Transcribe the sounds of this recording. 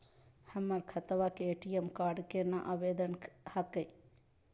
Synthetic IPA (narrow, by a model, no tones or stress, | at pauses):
hɐmɐɾkʰɐt̪ʋakeːʈijemkaːɾɖkenɐʔaːʋeːd̪ənhɐkəj